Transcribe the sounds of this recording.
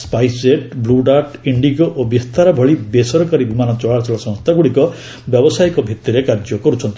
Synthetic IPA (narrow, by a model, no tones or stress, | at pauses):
spajseʈbluɖaʈiɳɖiɡɔʔobist̪aɾɔbʱɔɭibesɔɾɔkaɾibʱumanɔt͡ʃɔɭaɾt͡ʃɔlɔsɔ̃ŋst̪ʰaɡuɭikɔ | bjɔbɔsajkɔbʱit̪ːiɾekaɾd͡ʒɔkɔɾut͡ʃʰɔnt̪i